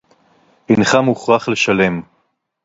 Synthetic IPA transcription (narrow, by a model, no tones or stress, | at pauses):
inχamuχʁaχle̞ʃale̞m